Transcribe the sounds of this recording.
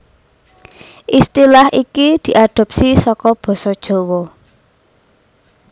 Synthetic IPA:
ʔist̪ilahikid̪̥i̤ʔaɖ̪̥ɔ̤p̚sisɔkɔb̥ɔ̤sɔd̥ʒ̥o̤wɔ

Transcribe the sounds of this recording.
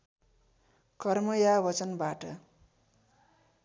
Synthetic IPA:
kʌrmʌjabʌt͡sʌnbaʈʌ

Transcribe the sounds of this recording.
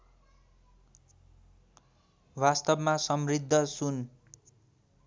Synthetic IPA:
wast̪ʌbmasʌmrid̪ʱːʌsun

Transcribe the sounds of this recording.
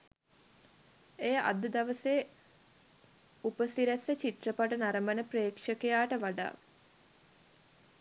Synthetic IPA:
ejəʔa̰d̪əd̪aʋəseː | upəsiɾæsət͡ʃit̪rəpaʈənaɾəmənəpreːkʂəkejaːʈəʋaɖa̰ː

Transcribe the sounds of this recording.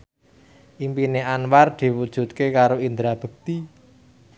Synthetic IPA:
ʔimpineʔanward̪̥i̤wud̥ʒ̥ṳt̪̚kekaɾoind̪ɾab̥ə̤ɡ̚t̪i

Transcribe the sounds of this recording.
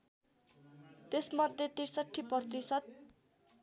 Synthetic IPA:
t̪esmʌd̪ʱjet̪iɾsʌʈʰːiprʌrt̪isʌt̪̚

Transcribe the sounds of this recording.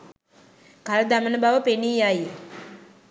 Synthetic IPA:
kald̪amənəbaʋəpeniːjaj

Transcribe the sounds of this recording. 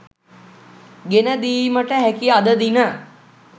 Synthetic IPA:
ɡenəd̪iːməʈəɦɛkiad̪əd̪inə

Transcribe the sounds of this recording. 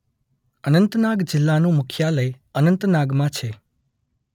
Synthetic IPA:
ənənt̪naɡd͡ʒɪlːanũmʊkʰjaləj | ənənt̪naɡmãt͡ʃʰe

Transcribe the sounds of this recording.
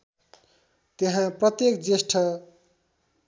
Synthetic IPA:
t̪eɦãprʌt̪jekd͡zesʈʰʌ

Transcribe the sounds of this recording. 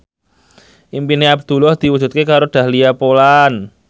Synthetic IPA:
ʔimpineab̚d̪̥ulɔhd̪̥i̤wud͡ʒ̥ṳt̪̚kekaɾoɖ̪̥a̤hliapolan

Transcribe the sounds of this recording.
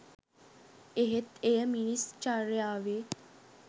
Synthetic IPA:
eɦet̪ejəminist͡ʃaɾejaːʋe

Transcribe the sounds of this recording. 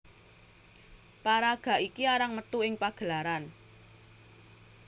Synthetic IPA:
paɾaɡ̥a̤ʔikiaɾaŋmət̪uɪŋpaɡ̥ə̤laɾan

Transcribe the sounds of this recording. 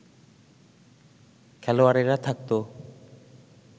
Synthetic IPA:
kʰɛloaɾeɾat̪ʰak̚t̪o

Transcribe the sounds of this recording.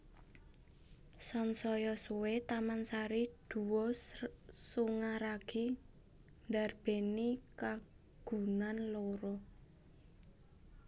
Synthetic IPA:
sɔnsɔjɔsuwet̪amansaɾid̪̥ṳwɔ | suŋaɾaɡ̥i | ndarb̥e̤nika | ɡ̥ṳnanloɾɔ

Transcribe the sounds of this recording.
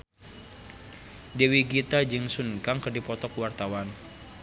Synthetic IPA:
dewiɡit̪ad͡ʒɨŋsunkaŋkərdipɔt̪ɔkuwart̪awan

